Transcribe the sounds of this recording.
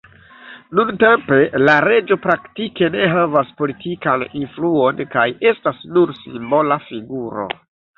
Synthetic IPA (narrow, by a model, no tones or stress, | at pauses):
nunte̞mpe̞laɾe̞d͡ʒo̞pɾaktike̞ne̞ɦavaspo̞litʰikaninfluo̞nkaje̞stasnuɾsimbo̞lafiɡuɾo̞̰